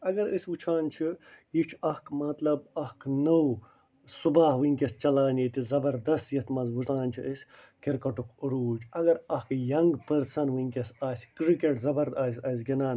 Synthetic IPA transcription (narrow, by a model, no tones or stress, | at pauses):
ɐɡɐɾəsʲʋut͡ʃʰaːnt͡ʃʰijit͡ʃʰɐhkmɐt̪lɐbɐhkʰnəw | subaːɦʋɨŋkʲɐs̚t͡ʃɐlaːnit̪izɐbɐɾd̪ɐst̪jɐt̪mɐnzʋusaːnʲt͡ʃʰiʔəsʲ | kiɾkɐʈukʰɨɾuːt͡ʃʰɐɡɐɾɐhkjɐŋɡpɐɾsɐnʋɨŋʲkʲɐsaːsʲkɾikeʈzɐbɐɾd̪asʲɐs̬ɡinaːn